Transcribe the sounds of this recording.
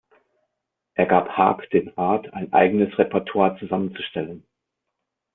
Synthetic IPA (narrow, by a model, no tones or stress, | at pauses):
ʔeːɐɡaːpha̰ːkd̥eːnʁaɐtʰaɪnʔa̰ɪɡənəsʁɛpɛɐtʰwaːɐt͡suzamənt͡suʃtɛlən